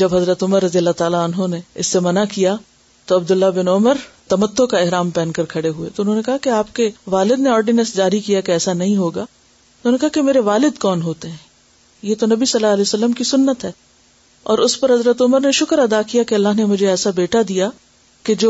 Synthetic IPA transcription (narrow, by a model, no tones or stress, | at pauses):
d͡ʒɐbɦɐzɾət̪ʊməɾːɐd̪ijəlːat̪aːlaɐnɦõneɪ̰sːemɐnakija | t̪oɐbd̪ʊlːabɪnʊməɾt̪ɐmət̪ːokaɪɦɾaːmpɛ̃ːnkɐɾkʰɐɽeɦuḛt̪oʊnɦõːnekɐɦakeaːp̚keʋaːlɪd̪neɔːɾɖɪnəsd͡ʒaːɾikijakeɛːsanɐɦĩɦoːɡaː | tʊɦõnekɐaɦakemeːɾeʋaːlɪd̪kɔːnɦoːt̪eɦɛ̃ː | jet̪onɐbisɐlːaɐlɛːjosɐlːəmkisʊnːət̪ɦɛː | ɔːɾʊspɐɾɦɐzɾət̪ʊməɾneʃʊkəɾɐd̪akijakeɐlːaɦnemʊd͡ʒʱeɛːsabeːʈad̪ija | ked͡ʒoː